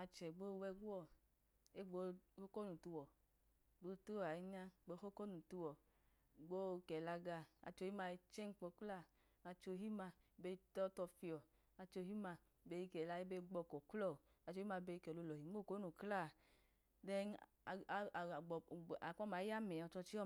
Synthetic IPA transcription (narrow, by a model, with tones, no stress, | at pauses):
a˧t͡ʃɛ˨ɡ͡bo˦˧wɛ˧ɡu˦ɔ˦˨ | e˦˨ɡ͡bo˧˦ho˦ko˦nu˨tu˧wɔ˨ | ɡ͡bo˧tu˦˨a˨i˦˧ɲa˧˨ɡ͡bo˧˦ho˦ko˦nu˨tu˧wɔ˨ | ɡ͡bo˦kɛ˨la˧ɡa˧a̰˧t͡ʃo˧hi˦ma˧i˧t͡ʃɛ˦ŋ˦k͡po˧˦kla˦˨ | a˧t͡ʃo˧ɦi˦ma˧˨be˧i˧tɔ˦tɔ˧fi˧ɔ˨ | a˧t͡ʃo˧hi˦ma˧˨ | be˧ji˧kɛ˨la˧ji˦be˧ɡ͡bɔ˧kɔ˨klɔ˦˨ | a˨˧t͡ʃo˧˦i˦ma˧be˧i˧kɛ˨lo˧lɔ˨hi˨˦o˦˨ko˦nu˨kla˦˨ | dɛ˧˨ | ɡ͡bɔ˨a˨k͡pɔ˦ma˨˦ja˦mɛ˨ɔ˧t͡ʃɔ˧t͡ʃi˦ɔ˦